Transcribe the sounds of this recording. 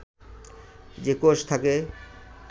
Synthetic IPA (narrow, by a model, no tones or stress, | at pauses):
d͡ʑekoʃt̪ʰake